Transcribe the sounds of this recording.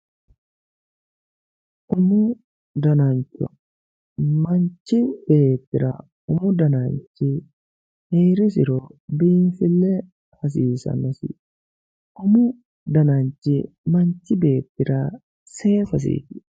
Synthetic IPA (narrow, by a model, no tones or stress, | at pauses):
ʔʊmʊ | d̪ɐnant͡ʃːʊ̰ | mɐnt͡ʃːɪb̥eːt̪ːɪɾɐ̰ | ʊmʊd̪ɐnaːnt͡ʃːɪ | heːɾɪs̬ɪɾobiːnfɪlːɛ | fɐs̬iːsɐ̰nɐsɪ | ʔʊmʊ | d̪ɐnaːnt͡ʃːɪ | mɐnt͡ʃːɪbe̞ːt̪ːɪɾɐ | seːfɐs̬ḭːtɪ̥